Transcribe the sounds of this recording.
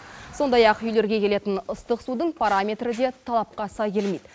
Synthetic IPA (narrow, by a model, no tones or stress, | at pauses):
so̞nd̪ɑjɑqʏjle̞ɾɡʲe̞kʲʰe̞le̞t̪ɪnʊst̪əqsud̪əɴpʰaɾamʲe̞t̪ɾɪd̪e̞t̪ʰɑlˠɑp̚qɑsɑkʲʰe̞lmejd̪